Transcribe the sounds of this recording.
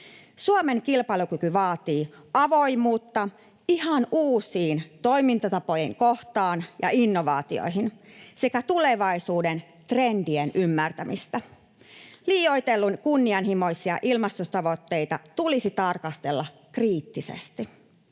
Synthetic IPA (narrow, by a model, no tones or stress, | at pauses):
suome̞ŋkilpɑilukykyʋɑːt̪iː | ʔɑʋo̞jmuːt̪ːɑ | ihɑnʔuːsiːnt̪o̞imint̪ɑt̪ɑpo̞jiŋkoht̪ɑːnjɑ̰inːoʋɑ̰ːt̪io̰iɦinse̞kæt̪ule̞ʋɑjsuːden | t̪rendienʔymːært̪æmʔist̪æ | liːjoit̪elːunkunːiɑnɦimo̞isiɑ̰ʔilmɑst̪ust̪ɑʋo̞t̪ːe̞jt̪ɑt̪ulisit̪ɑrkɑst̪e̞lːɑ | kriːt̪ːisḛst̪i